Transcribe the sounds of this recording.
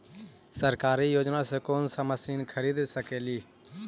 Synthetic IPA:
səɾkaːɾiːjoːd͡ʒnaːseːkoːnsəməsiːnkʰəɾiːd̪səkeːliː

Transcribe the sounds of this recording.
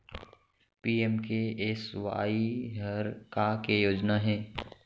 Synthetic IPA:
piːemkeeswa̰ːiɦəɾkakejoːd͡ʒnaɦɛː

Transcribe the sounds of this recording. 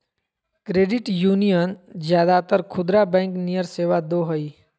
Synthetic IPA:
kɾeːɖɪʈjuːnijənd͡ʒjaːd̪at̪əɾkʰʊd̪ɾabɛ̃ːŋknijəɾseːʋad̪oːɦəi

